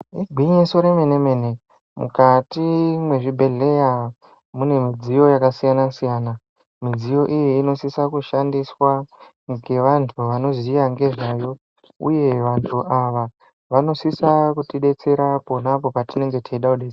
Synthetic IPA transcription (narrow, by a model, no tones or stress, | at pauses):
iɡʱiɲiso̞ɾeme̞ne̞me̞ne̞ | mṵkatimwe̞ʐibʱe̞ɮe̞ja | mune̞mid͡zijo̞jakasijanasijaːna | mid͡zijo̞ʔijiːno̞sisakuʃandiswa | ŋɡe̞ʋantʰuʋano̞zijaŋɡe̞ʐajo̞ | ṵje̞ʋantʰuʔaʋa | ʋano̞sisakutiɗe̞t͡se̞ɾapo̞napo̞patine̞ŋɡe̞tʰeiɗakuɗet͡s